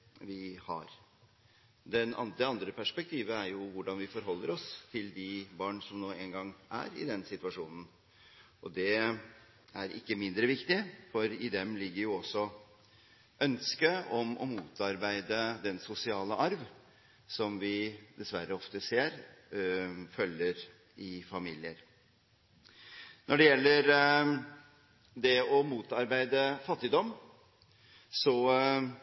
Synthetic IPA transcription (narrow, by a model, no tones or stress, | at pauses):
ʋɪhɑ̰ɾ | d̪ɛnɑ̰nd̪ɾəɑnd̪ɾəpʰæʂpɛk̚t̪ʰiːʋəæɾjʊʋʊɖɑnʋɪfɔɾɦɔlːəɾɔst̪ʰɪld̪ɪbɑːɳʂɔmnoːɛnɡɑŋːʔæ̰ɾɪ̰d̪ɛnsɪt̪ʉʋɑʂuːnən̩ | ʔɔd̪ɛ | æɾɪ̰kːəmɪnd̪ɾəʋɪkt̪ɪfɔɾɪd̪ɛmlɪɡːəɾjʊɔsːɔ | ʔœnskəɔmɔ̰muːt̪ɑɾbæɪd̪əd̪ɛnsʊsɪɑːləʔɑɾʋ | sɔmʋɪd̪ɛsʋæɾːəɔft̪əseːɾ | fœlːəɾ | ɪfɑmiːlɪəɾ | nʔɔɖɛjɛlːəɾ | d̪ɛɔmuːt̪ɑɾbæɪd̪əfɑt̪ːɪd̪ɔm | sɔ